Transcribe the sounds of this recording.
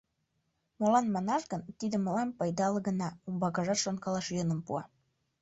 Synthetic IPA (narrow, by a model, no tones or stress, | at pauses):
molɑnmɑnɑʃɣənt̪id̪ə̆məlɑmpɑjd̪ɑlɤɣə̆nɑumbɑɣɑʒɑt̪ʃonkɑlɑʃjɤnə̆mpuɑ